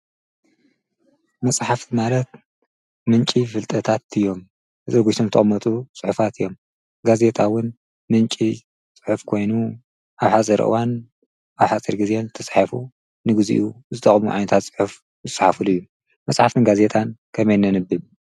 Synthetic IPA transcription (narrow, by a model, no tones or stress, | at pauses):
mɐsʼħaft̪ʰimalɐt̪̚ | mɨnt͡ʃʼifɨlt̪ʼɐt̪ʰat̪ɨjːo̞m | ɨzʼɐɡut̪ʰomt̪ʰɐ̰mːɐt̪ʼusʼɨħufat̪ʰɨjːo̞m | ɡaze̞t̪ʰʼawʊn | mɨnt͡ʃʼi | sʼɨ̥ħufkʰo̞jnu | ʔaβħat͡sʼiɾɨ̰ʔɨ̰wan | ʔaβħat͡sʼiɾɡɨzent̪ʰɐsʼħafu | nɨɡɨzḭʔuzɨt̪ʰʼɐχʼmṵʕa̰jnɐt̪ʰat̪sʼɨ̥ħuf | zɨsʼɨħafɨlujːu | mɐsʼħaft̪ʰɨnɡaze̞t̪ʰʼankʰɐmejnɐnɨbɨb